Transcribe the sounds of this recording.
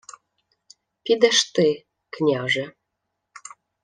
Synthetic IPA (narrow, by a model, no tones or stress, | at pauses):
pid̪æʃt̪e | knʲɑʒĕ